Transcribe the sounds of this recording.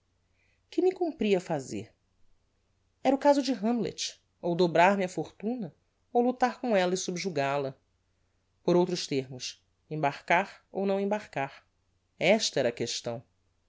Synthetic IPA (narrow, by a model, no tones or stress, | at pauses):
kɪmɪkũmpɾiɐfazḛɾ | ɛɾɐʊkazʊd͡ʒɪɦɐ̃mblḛt͡ʃ | owd̪obɾaɾmɪɐfoɾt̪ũnɐ | owlut̪aɾkõɛlɐɪsubʒuɡalɐ | poɾowt̪ɾʊʃt̪eɾmʊs | ẽbaɾkaɾo̰wnɐ̃w̃ẽbaɾkaɾ | ɛʃt̪ɐɛɾɐkeʃt̪ɐ̰̃w̃